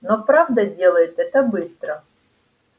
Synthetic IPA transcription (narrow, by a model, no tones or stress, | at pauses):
nopɾavd̪ədʲe̞lˠəjɪt̪ɛt̪əbɨst̪ɾə